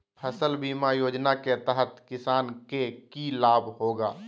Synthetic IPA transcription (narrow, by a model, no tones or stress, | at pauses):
pʰəsəlbiːmajoːd͡ʒnaket̪əɦət̪kɪsaːnkekilaːbʱɦoːɡaː